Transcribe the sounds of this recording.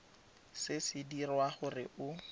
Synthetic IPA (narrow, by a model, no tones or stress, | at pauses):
sɪsɪdirwaχʊrɪ̰ʔʊ